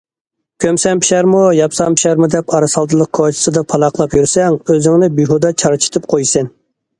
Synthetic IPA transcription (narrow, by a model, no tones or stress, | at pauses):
kʲʰømsɛmpi̥ʃæɾmujɑpsɑmpʰi̥ʃɛɾmud̪ɛpɑɾɑsɑlˠd̪ɨlˠəq̚kʰoɾt͡ʃʰi̥sɨd̪ɑpʰɑlˠɑqlˠɑpjyɾsɛŋøzɪŋnɪbyɦod̪ɑt͡ʃʰɑɾt͡ʃʰi̥t̪ʰɨp̚qʰojsɪn